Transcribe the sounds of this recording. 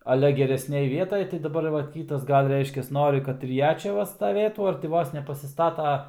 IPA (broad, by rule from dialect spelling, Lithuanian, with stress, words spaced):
ɐˈlʲɛ ɡʲɛrʲɛsʲˈnʲeːj ˈʋʲiɛtɐj tɐɪ dɐˈbɐr ˈʋɐ ˈkʲiːtɐs ˈɡɐlʲ ˈrʲɛɪʃʲkʲɛs ˈnoːrʲɪ ˈkɐt ɪr ˈjɛ ˈt͡ʃʲɛ ˈʋɐ stɐˈʋʲeːtuː ɐr tʲɪ ˈʋoːs nʲɛpɐsʲɪˈstɑːtɐ